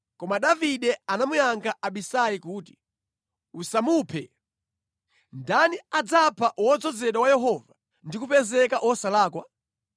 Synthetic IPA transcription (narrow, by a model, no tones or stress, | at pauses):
kɔmaɗaviɗɛanamujaŋɡʰaaɓisajikuːti̥ | usamupʰɛ̰ | ndaniad͡zapʰaʔwɔd͡zɔd͡zɛɗawajɛɦɔva | ndikupɛzɛkaʔwɔsalaːkwa